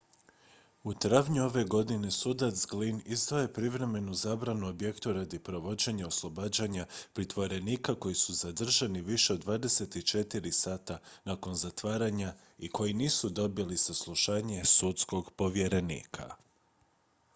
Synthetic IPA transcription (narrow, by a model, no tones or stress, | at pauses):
ut̪ɾaʋɲuo̞ʋe̞ɡo̞d̪ine̞sud̪at̪sɡlinizd̪ʋoje̞pɾiʋɾe̞me̞nuzaːbɾanuobje̞kt̪uɾad̪ipɾo̞ʋo̞d͡ʑe̞ɲao̞slˠo̞baːd͡ʑaɲapɾit̪ʋo̞ɾe̞niːkako̞jisuzad̪r̩ʒaniʋiʃe̞o̞d̪ːʋaːd̪e̞se̞t̪it͡ʃe̞t̪iɾisaːt̪anako̞nzat̪ʋaːɾaɲa | ikʰo̞jiniːsud̪o̞bilisaslˠuʃaːɲe̞sut̪sko̞ɡpo̞ʋje̞ɾe̞nḭːkʰa̰